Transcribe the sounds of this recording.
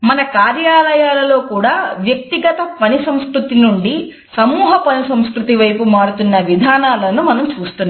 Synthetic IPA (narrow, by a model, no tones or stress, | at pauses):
mɐnɐkaːɾjaːlɐjaːlɐlo̞ːkuːɽaːʋjɐk̚t̪iɡɐt̪ɐpɐnisɐmskɾut̪inuɳɖi | sɐmuːɦɐpɐnisɐmskɾut̪iʋɐjpumaːɽut̪unːɐʋid̪ʱaːnaːlɐnumɐnɐmt͡ʃuːst̪unːa